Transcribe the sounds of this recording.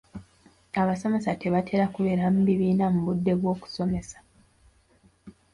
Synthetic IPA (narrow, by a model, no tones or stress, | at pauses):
aβaso̞me̞sate̞βatʰe̞ɾakuβe̞ɾam̩βiβiːnamuβudːe̞βwo̞ːku̥so̞me̞sḁ